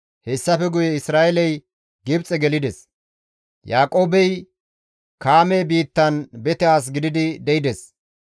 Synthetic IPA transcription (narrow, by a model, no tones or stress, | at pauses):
hɛsːɐfɛɡʊjɛɪsɾaːʔɛlɐj | ɡɪbt͡sʼɛɡɛlɪd̪ɛs | jaːkʼo̞ːbɛj | kaːmɛːbiːt̪ːɐnbɛt̪ɛaːs̬ɡɪd̪ɪd̪ɪd̪ɛɪd̪ɛs